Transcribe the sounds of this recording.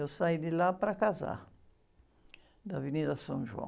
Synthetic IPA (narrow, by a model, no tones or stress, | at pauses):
ewsajd̪ɪlapɾakaza̰ | d̪ɐviniðɐsɐ̃ʒuɐ̰̃